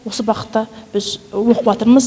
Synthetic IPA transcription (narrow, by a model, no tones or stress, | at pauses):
wo̞səbɑqə̥t̪ːɑb̥ɪzwo̞qʰəpɑt̪əɾməz